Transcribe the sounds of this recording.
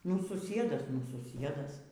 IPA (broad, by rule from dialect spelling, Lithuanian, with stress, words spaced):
nʊ sʊˈsʲiɛdɐs nʊ sʊˈsʲiɛdɐs